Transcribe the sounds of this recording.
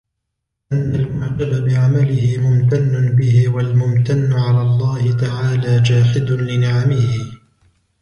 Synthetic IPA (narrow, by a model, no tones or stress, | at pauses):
ʔɪnːalmʊʕd͡ʒababɪʕamalɪhɪmʊmt̪anːʊbɪhɪwalmʊmt̪anːʊʕalaːlˤːɑːhɪt̪aʕaːlaːd͡ʒaːħɪd̪lɪnaʕamɪhɪ